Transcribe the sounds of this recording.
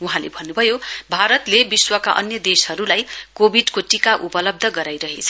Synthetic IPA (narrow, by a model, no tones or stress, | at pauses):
uɦãlḛbʱʌnːubʱʌjobʱaɾʌt̪lebiswʌkaʔʌ̰njʌd̪eshʌɾulajkobʱiɖkoʈikaʔupʌlʌb̚d̪ʱʌɡʌɾajɾʌɦet͡sʰʌ̥